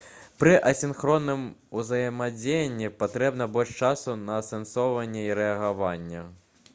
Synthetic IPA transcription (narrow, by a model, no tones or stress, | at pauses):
pɾɨʔɐsʲinxɾɔnːɨmuzɐjɐmad͡zʲejɐnʲːipat̪ɾɛbnɐbɔlʲʂt͡ʂasunɐsɛnsɔwvɐnʲːɛiɾɛɐɣavanʲːɐ